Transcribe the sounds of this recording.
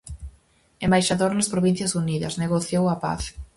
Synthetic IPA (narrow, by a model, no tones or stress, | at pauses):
embajʃaðoɾnɐspɾoβĩn̟θjɐsuniðɐ̰sneɣoθjowɐpa̰θ